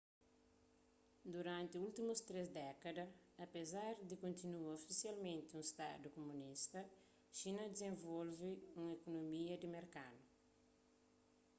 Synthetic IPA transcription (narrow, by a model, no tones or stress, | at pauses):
d̪uɾãnt̪iult̪imust̪ɾezd̪ɛkɐd̪ɐɐpezaɾd̪ikõnt̪inuɐofisjalmẽnt̪ɪũŋst̪a̰d̪ukomũnist̪ɐ | ʃinɐd̪ezẽɱvolviũŋekonomiɐd̪imeɾkad̪u